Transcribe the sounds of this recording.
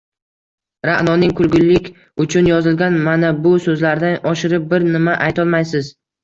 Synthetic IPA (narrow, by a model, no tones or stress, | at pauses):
ɾaʔnɒnɪŋkʰʊlɡʲʊlːɪkʲ | ʊt͡ʃʰʊnjɒzɪlɡʲanmanabʊsɵzlaɾd̪anʔɒʃɪɾɪp̚bɪɾnɪmaʔajt̪ʰɒlˠmajsɪz